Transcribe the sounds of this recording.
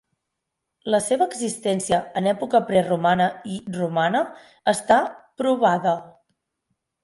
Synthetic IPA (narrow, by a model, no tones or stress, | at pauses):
ləseβəːɡzist̪ɛnsiəːnɛpukəpɾɛrumanəirumanəː | st̪apɾuβaðə